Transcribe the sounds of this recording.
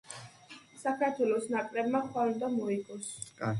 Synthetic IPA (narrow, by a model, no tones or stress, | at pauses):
sakʰaɾt̪ʰwɛlˠɔsnakʼɾɛbmaχwalɔd̪ɔmɔikʼɔs